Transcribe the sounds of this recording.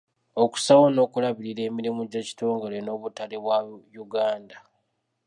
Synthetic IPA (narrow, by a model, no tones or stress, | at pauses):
o̞ku̥sawono̞ːkulaβiɾiɾe̞ːmiɾimuɟaci̥to̞ːŋɡeleno̞ːβutaleβwajuɡaːnda